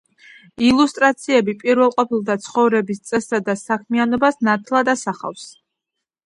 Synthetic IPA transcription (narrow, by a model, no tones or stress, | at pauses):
ilˠust̪ʼɾat̪sʰiɛbipʼiɾvɛlˠqʼɔpilˠd̪at̪sʰχɔvɾɛbist̪sʼɛsad̪asakʰmianɔbasnat̪ʰlˠad̪asaχa̰fs